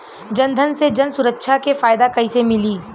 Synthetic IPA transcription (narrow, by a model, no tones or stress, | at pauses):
d͡ʒɐnd̪ʱənsed͡ʒɐnsʊɾəkːʃʰakefaːjd̪akɐisemɪliː